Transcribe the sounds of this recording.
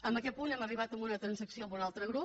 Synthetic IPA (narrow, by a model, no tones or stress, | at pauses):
əmbəkɛt̪̚punɛməriβ̞at̪əmbunət̪ɾənsəksiombunalˠt̪ɾəɣɾu